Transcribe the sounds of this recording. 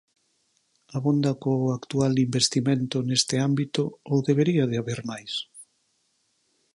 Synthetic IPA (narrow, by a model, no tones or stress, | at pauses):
aβond̪ɐkoakt̪ualimbest̪imẽnt̪ʊnest̪ɪambit̪ʊoðeβeɾiaðeaβeɾmajs